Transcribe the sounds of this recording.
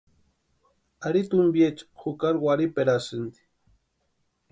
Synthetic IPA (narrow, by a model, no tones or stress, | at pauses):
aɾit̪umbjet͡ʃxukaɾɡʷaɾipeɾasɨnd̪i̥